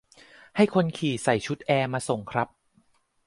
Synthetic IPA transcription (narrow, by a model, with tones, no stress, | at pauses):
ha˥˩jkʰo˧nkʰiː˨˩sa˨˩jt͡ɕʰu˦˥t̪̚ʔɛː˧maː˧so˨˩ŋkʰɾa˦˥p̚